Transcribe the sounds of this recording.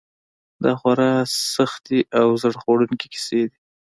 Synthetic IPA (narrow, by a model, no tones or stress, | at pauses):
d̪ɑxwaɾɑsaxt̪iʔawzəɽxoɽunke̥kɪ̥sed̪i